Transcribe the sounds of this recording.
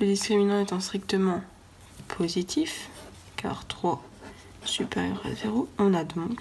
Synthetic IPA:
ləd̪iskχiminɑ̃ɛt̪ɛ̃st̪χikt̪əmɑ̃ | pʰozit̪ʰif | ka̰ʁt̪χwa | sypeʁjœ̰ʁa̰veʁoɔ̃nad̪ɔ̃k

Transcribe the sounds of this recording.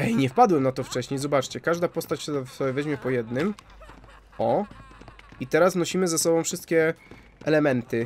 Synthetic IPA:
ɛjɲɛfpad̪wɛmnat̪ɔft͡ʂɛɕɲejzɔbat͡ʂt͡ɕɛkaʐd̪apɔst̪at͡ɕssɔbʲɛvɛʑmʲjɛpɔjɛd̪nɘm | ɔ | it̪ɛɾasnɔɕimɘzɛsɔbɔ̃w̃fʂɘst̪kʲɛ | ʔɛ̰lɛmɛnt̪ɘ

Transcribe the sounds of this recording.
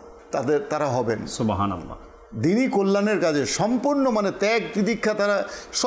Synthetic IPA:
t̪ad̪eɾt̪aɾaɦɔbensubɦana̰lːa̰ | d̪inikolːaneɾkad͡ʑʰeʃɔmpuɾnomanet̪ɛk̚pɾid̪ikʰːat̪aɾaʃ

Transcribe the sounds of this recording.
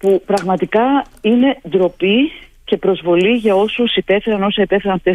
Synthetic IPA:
pupɾɐɣmɐt̪ikɐine̞d̪ɾo̞pi | ce̞pɾo̞zvo̞liʝɐo̞susit̪e̞fe̞ɾɐno̞sɐit̪e̞fe̞ɾɐnɐft̪es

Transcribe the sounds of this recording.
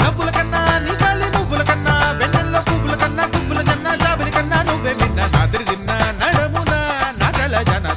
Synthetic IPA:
nɐʋːulɐkɐnːɐniːkaːlimuʋːulɐkɐnːɐʋɛnːɐnloːkuʋːulɐkɐnːɐkuʋːulɐt͡ʃɐnːɐd͡ʒaːbɐlikɐnːɐnoʋːeːminːɐnaːd̪ɐɾid̪inːɐnɐɽɐmuːnɐnaːʈɐlɐd͡ʒɐːnɐ

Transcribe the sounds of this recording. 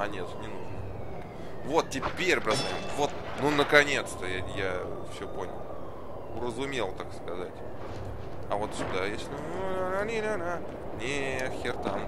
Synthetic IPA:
ɐnʲet̪nʲɪnuʐnə | vo̞t̪̚tʲɪpʲeɾʲbɾasajʲɪmvo̞t̪ | nunəkɐnʲe̞t̪st̪əjaja | fsʲɵpo̞nʲə̰lˠ | ɾəzʊmʲe̞lˠt̪akskɐzatʲ | ɐvo̞t̪sʊd̪ajesʲnuananʲinʲana | nʲexʲɪrt̪am

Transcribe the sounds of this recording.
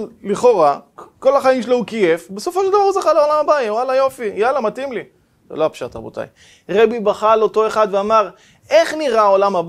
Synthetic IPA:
liχo̞ʁako̞laχaimʃeloukejefbeso̞foʃeld̪avaʁuzaχaleolamabaitwalajo̞fijalamatimli | zḛloapʃat̪a̰bo̰t̪a̰j | ʁebibaχalo̞to̞e̞χad̪veamaʁ | e̞χniʁaolamab

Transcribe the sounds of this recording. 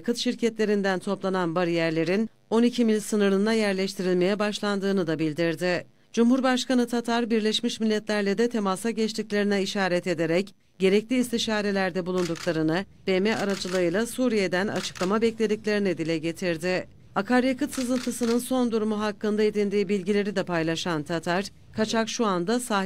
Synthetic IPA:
kʰɯt̪ʃiɾcʰɛt̪lʲe̞ɾind̪ænt̪ʰo̞plˠananbaɾɯjæɾlʲe̞ɾin | o̞nicʰimilʲsɯnɯɾɯnd̪ajæɾlʲɛʃt̪ʰiɾilʲme̞jɛbaʃlˠand̪ɯːnɯd̪abilʲd̪iɾd̪ɪ | d͡ʒumhuɾbaʃkanɯt̪ʰat̪ʰaɾbiɾlʲɛʃmiʃmilʲːɛt̪lʲæɾlʲɛd̪ɛt̪ʰe̞masaɟɛt͡ʃt̪ʰiclʲe̞ɾinɛiʃaːɾɛt̪e̞d̪e̞ɾɛc | ɟe̞ɾɛclʲiːst̪ʰiʃaːɾe̞lʲæɾd̪ɛbulˠund̪uklˠaɾɯnɯb̥̪emɛaɾad͡ʒɯlˠɯɯjlˠasuːɾije̞d̪æna̰t͡ʃʰɯ̥klˠamabɛclʲe̞d̪iclʲe̞ɾinɛd̪ilʲɛɟe̞t̪ʰiɾd̪ɪ | akʰaɾjekɯt̪sɯzɯnt̪ʰɯsɯnɯnso̞nd̪uɾumuɦakːɯnd̪ae̞d̪ind̪iːbilʲɟilʲe̞ɾid̪ɛpʰajlˠaʃant̪ʰat̪ʰaɾ̥ | kʰat͡ʃʰakʃuand̪asaː

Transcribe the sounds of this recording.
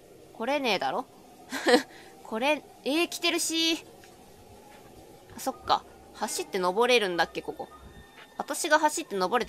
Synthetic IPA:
ko̞ɾe̞ne̞ːd̪a̰ɾo̞ | kʰo̞ɾe̞ | eːkʲi̥t̪e̞ɾɯ̟ɕi | so̞kːa̰ | haɕit̪ːe̞no̞bo̞ɾe̞ɾɯ̟̃nd̪akːe̞ko̞ko̞̰βat̪aɕiɡaɦaɕit̪ːe̞no̞bo̞ɾe̞t̪

